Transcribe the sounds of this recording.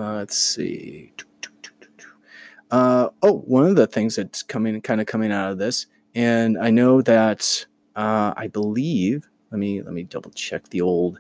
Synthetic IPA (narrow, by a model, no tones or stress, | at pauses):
tseḭɪtʰtʰtʰttʰ | ʌoʊwʌ̃nʌvðɨθɪ̃ŋzðɨt̚skʰʌ̃mɪ̃ŋkʰãɪ̃ndɨkʰʌ̃mɪ̃ŋaʊɾʌvðɪs | ɨ̃naɪnoʊðɨt | ʌa̰ɪbəliv̥ | lɛt̚milɛ̰t̚midʌ̰bl̩ˠt͡ʃʰɛ̰k̚ðioʊlˠd̥